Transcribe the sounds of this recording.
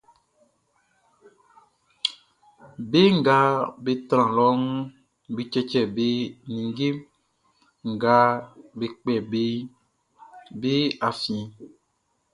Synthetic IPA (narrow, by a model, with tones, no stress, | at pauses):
be˦ŋ̩˦˨ɡa˦be˨t̪ɾ̃ã˨lɔ˦ŋũ˦ | be˨t͡ʃɛ˦t͡ʃɛ˨be˦nĩ˨ŋ˦ɡe˦m | ŋ̩˨ɡa˦be˨k͡pɛ˨be˦ | be˦a˨fĩ˨ĩ˨